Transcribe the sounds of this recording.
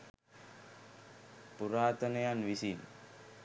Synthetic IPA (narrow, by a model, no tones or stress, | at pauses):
puɾaːt̪ɐnɐjanʋisiːn